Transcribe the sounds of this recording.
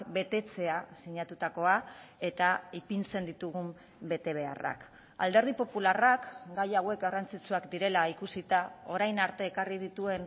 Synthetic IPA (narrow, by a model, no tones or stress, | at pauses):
be̞t̪e̞t͡se̞asiɲat̪ut̪ako̞ae̞t̪aipint͡se̞nd̪it̪uɣum | be̞t̪e̞β̞e̞a̰ra̰k | a̰ld̪e̞ɾð̞ipo̞pularakɡajawe̞kɡarant͡sit͡suakd̪iɾe̞laikusit̪ao̞ɾajnaɾt̪e̞ːkarið̞it̪ue̞n